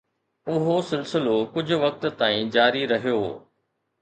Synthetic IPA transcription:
ʊɦosɪlsɪlokʊd͡ʑʱʊ̆ʋɐk̚t̪̆t̪aːĩːd͡ʑaːɾiɾɐɦijoː

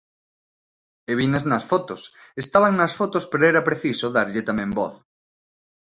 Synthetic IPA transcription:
eβinɐznɐsfot̪osest̪aβaŋnɐsfot̪ospeɾoɛɾɐpɾeθisoðaɾʎɪt̪amẽmbɔ̰θ

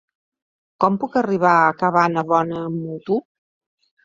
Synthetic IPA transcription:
kɔmpukəriβ̞aəkəβanəβɔnəːmːut̪u

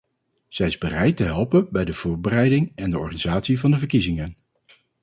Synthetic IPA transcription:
z̥ɛjɪzbərɛjtəɦɛlˠpənbɛjdəv̥ʊːɹbərɛjdɪŋɛndəɔ̰ɹχaniz̥aːtsivɑndəvəɹkizɪŋən

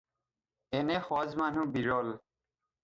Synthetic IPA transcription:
ɛnɛxɔzmanubiɹɔl

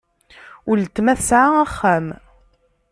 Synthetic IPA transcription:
ʊlt̪ːmæθsʕaæχːæm

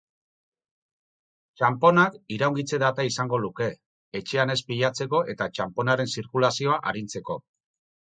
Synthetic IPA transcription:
t͡ʃampo̞nakiɾawŋɡit͡se̞ðat̪aisaŋɡo̞luke̞ː | t͡ʃe̞ane̞spiʎat͡se̞ko̞ʔe̞t̪at͡ʃampo̞naɾe̞nsiɾkulasio̞aʔaɾint͡se̞ko

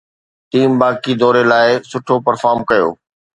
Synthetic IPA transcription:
ʈiːmbaːkid̪ɔːɾelaːɪsʊʈʰopɐɾfaːɾmkɐjo̰ː

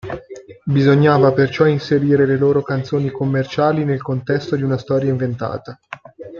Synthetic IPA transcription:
bizoɲːaːvapert͡ʃɔinseɾiːɾeleloːɾokant̪soːnikomːert͡ʃaːlinelkont̪ɛst̪od̪iunast̪ɔːɾjaiɱvent̪a̰ːt̪a

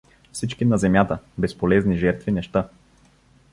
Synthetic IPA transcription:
fsit͡ʃkinɐzɛmjat̪əbɛspolɛzniʒɛɾt̪vinɛʃt̪a

